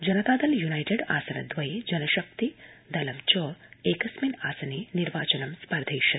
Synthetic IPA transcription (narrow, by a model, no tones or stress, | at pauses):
d͡ʒɐnɐt̪aːd̪ɐljunajʈeɖa̰ːsɐnɐ̰d̪ʋɐjed͡ʒɐnɐʃɐk̚t̪id̪ɐlɐmt͡ʃɔːɾeːkɐsminaːsɐneniɾʋaːt͡ʃɐnɐmspɐɾd̪ʱejʃɐt̪